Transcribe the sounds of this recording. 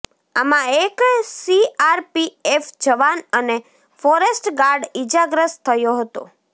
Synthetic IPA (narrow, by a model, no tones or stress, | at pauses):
amãeksiaɾpiefd͡ʒəʋanəne | fɔɾesʈɡaɾɖid͡ʒaɡɾəst̪ʰəjoɦət̪o̰